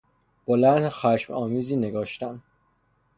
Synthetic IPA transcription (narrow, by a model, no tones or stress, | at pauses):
b̥olæɾnxæʃmɒːmiːziːneɡɒːʃt̪æn